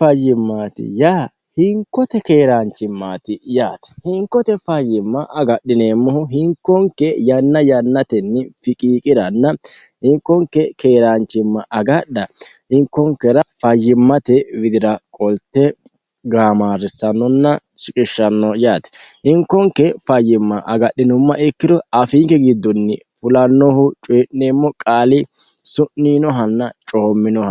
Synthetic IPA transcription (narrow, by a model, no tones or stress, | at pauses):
fɐjːɪmːaːt̪ɪ̰jaː | hɪŋkːɔt̪ɛkeːɾaːnt͡ʃːɪmːaːt̪ɪjaːt̪ɛ̥hɪŋkːɔt̪ɛfɐjːɪmːɐʔɐɡɐɗːɪneːmːɔhʊɦɪŋkːɔŋkːɛjɐnːɐjɐnːɐt̪ɛnːɪfɪkʼiːkʼɪɾɐnːɐ | hɪŋkːɔŋkːɛke̞ːɾaːnt͡ʃːɪmːɐʔɐɡɐɗɐhɪŋkːɔŋkːɛɾɐfɐjːɪmːɐt̪ɛwɪd̪ɪɾɐkʼɔlt̪ːɛ | ɡaːmaːɾːɪsɐnːɔnːɐt͡ʃʼɪkʼɪʃːɐnːɔjaːt̪ɛ̥ʔɪŋkːɔŋkːɛfɐjːɪmːɐʔɐɡɐɗːɪnʊmːɐʔɛkːɪd̪ɔɐfiːŋkːɛɡɪd̪ːɔnːɪ | fʊlɐnːɔhʊt͡ʃʼeːʔneːmːɔkʼaːlɪ | sʊʔːiːnɔɦɐnːɐt͡ʃʼoːmːɪnɔhɐ